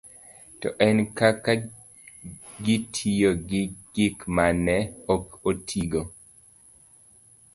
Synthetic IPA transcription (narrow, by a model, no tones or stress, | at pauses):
tɔ̰ʔɛnkaka | ɡitʰijoɡiɡɪkmanɛokotʰiɡo